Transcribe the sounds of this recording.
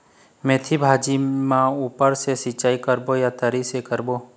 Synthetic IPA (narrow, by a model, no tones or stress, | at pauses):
mẽːt̪ʰibʱaːd͡ʒimãuːpəɾsesɪt͡ʃaːikəɾbojat̪əɾisekəɾboː